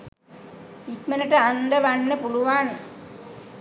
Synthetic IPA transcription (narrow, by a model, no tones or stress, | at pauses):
ik̪mənəʈəand̪əʋanːəpuluʋaːne